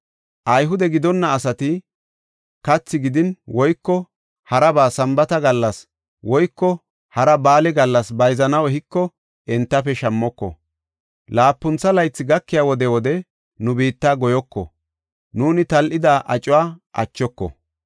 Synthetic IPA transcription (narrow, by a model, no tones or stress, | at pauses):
ʔɐjɦʊd̪ɛɡɪd̪ɔnːɐːsɐt̪ɪ | kɐt͡sːɪɡɪd̪ɪnwɔjkːɔ | hɐɾɐbaːsɐmbɐt̪ɐɡɐlːɐs | wɔjkːɔ | hɐɾɐbaːlɛɡɐlːɐsbɐjzɐnɐwhɪkːɔ | ɛnt̪ːɐfɛʃɐmːɔkːɔ̰ | laːpːʊnt͡sːɐlɐjt͡sːɪɡɐkːɪjaːwɔd̪ɛwɔd̪ɛ | nʊbiːt̪ːaːɡɔjɔkːɔ̰ | nuːnɪt̪ɐlʔɪd̪aʔɐt͡ʃʼʊwaːʔɐ̰t͡ʃːɔkːɔ̰